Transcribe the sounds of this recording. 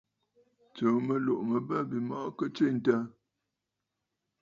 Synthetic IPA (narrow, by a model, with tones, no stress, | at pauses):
t͡sə˨mə˨lo˨ʔmə˨bə˦˨bi˨mɔ˦ʔkə˦t͡ʃi˦˨n̩˨tə˦